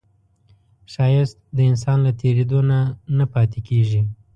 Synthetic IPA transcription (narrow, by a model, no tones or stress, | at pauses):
ʃɑjɪst̪̚d̪əɪns̬ɑnlat̪ʰeɾed̪onanapɑt̪ekeʒi